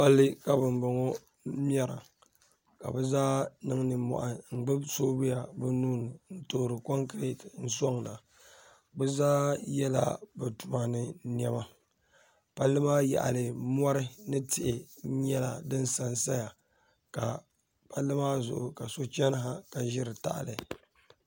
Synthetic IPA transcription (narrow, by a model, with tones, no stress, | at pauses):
pa˦lːɨ˦ka˨bɨ˨m˦bɨ˨ŋo˦ | m˦ɛ˦ɾa̰˨ | ka̰˨bɛ˦zaː˦nɨ˦ŋ˦nɨ˨mɔ̰˨ʔa˨ŋ̩˨ɡ͡bɨ˦bsoː˦bɨ˦ja˨bɨ˦nuː˦nɨ˨n̩˦to˨ɾɨ˨ko˦ŋkɾe˦tn̩˦sɔ˦ŋla˨ | bɛ˦zaː˦jɛ˦la̰˦bɨ˨tu˨ma˨nɨ˦ni˦ɛ˦ma˦ | pa˦lːɨ˦maː˦ja̰˨ʔa̰˨lɨ˨m˦ɔ˦ɾɨ˦nɨ˦tɪ˦˨ʔɪ˨˦ɲɛ˦la˨dɨ˦n˦sa˨nsa˦ja˨ | ka˨ | pa˦lːɨ˦maː˦zʊ̰˨ʔʊ˨ka˨so˦t͡ʃɛ˦n˦ɦa˦ka˨ʒɪ˦ɾɨ˨ta̰˦ʔlɨ˨